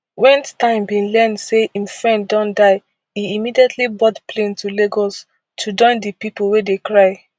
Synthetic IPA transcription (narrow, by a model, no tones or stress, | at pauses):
wɛ̃ntãɪ̃mbĩnlɛndseĩmfɹɛ̃ndːɔ̃ndaɪ | iimidiɛtʰlibɔtpʰlẽntʰuleɡɔs | tʰud͡ʒɔ̃ɪ̃ndipiplwedekɹaɪ